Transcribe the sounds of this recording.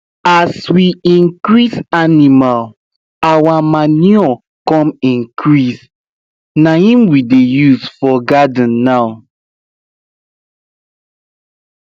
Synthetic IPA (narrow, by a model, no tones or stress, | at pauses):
aswiĩŋkɹisanimal | awamaniɔ | kɔ̃mĩŋkɹis | nahĩmwidejusfɔɡadnːaʊ